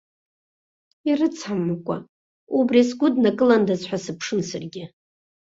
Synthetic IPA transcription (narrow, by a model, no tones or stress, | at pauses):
irɨt͡sʰħamːkʷʼa | ubriasɡʷʊdnakʼɨlandazħʷasɨpʰʂɨnsɨrɡʲɪ